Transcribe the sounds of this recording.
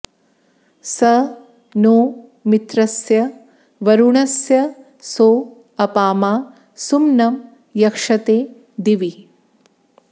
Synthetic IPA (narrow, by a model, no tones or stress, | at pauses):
sɐ | noː | mit̪ɾɐsjɐ | ʋɐɾuɳɐsjɐ | soː | ɐpaːmaː | sumnɐm | jɐkʂɐt̪eː | d̪iʋi